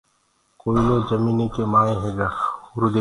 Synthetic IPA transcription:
koːiloːd͡ʒɐmiːnekemaːẽɦeɡaʊɾud̪e

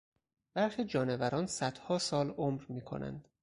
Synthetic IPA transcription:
b̥æɾxid͡ʒɒːnevæɾɒːnsæd̪̥hɒːsɒːlomɾmiːkʰo̞̰næ̰nd̪̥

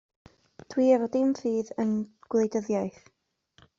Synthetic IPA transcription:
d̥ʰwiːəvɔdɪmfiːðənɡ̥lˠejdəðjajθ

